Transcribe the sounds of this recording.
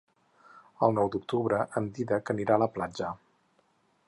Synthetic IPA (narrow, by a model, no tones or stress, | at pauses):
əlˠnɔwd̪uk̚t̪uβɾəʔəmd̪iðəkəniɾaləplad͡ʒə